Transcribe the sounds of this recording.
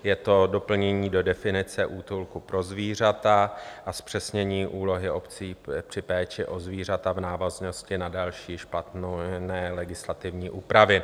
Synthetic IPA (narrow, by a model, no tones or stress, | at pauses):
jɛt̪o̞do̞pl̩ɲɛɲiːdo̞dɛfɪnɪt͡sɛʔuːt̪ulkupɾo̞zviːr̝at̪aʔaspr̥ɛsɲɛɲiːʔuːlo̞ɦɪʔo̞pt͡siːpr̥ɪpɛːt͡ʃɛʔo̞zviːr̝at̪avnaːvazno̞scɪnadalʃiːʃplat̪nonɛːlɛɡɪslat̪ɪvɲiːʔuːpɾavɪ